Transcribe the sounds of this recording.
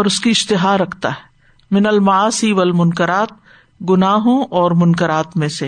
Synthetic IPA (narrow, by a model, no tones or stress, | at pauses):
ɔːɾʊskiɪʃt̪ɪɦaːɾɐkʰt̪a̰ːɦɛ | mɪnəlmɐaːsiʋɐlmʊnkəɾaːt̪̚ | ɡʊnaːɦõʔɔːɾmʊnkəɾaːt̪mẽse